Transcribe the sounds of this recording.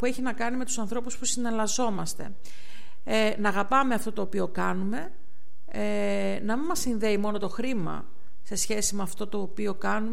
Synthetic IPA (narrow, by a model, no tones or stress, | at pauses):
pue̞çinɐkɐnime̞t̪usɐnθɾo̞puspusine̞ɾlɐzo̞mɐst̪e̞̰ | nɐːɣɐpɐme̞ɐft̪o̞t̪o̞ːpio̞kɐnume̞ | e | nɐmimɐsinðe̞imo̞no̞t̪o̞xɾimɐ̰ | se̞sçe̞simeɐft̪o̞t̪o̞ːpio̞kɐnume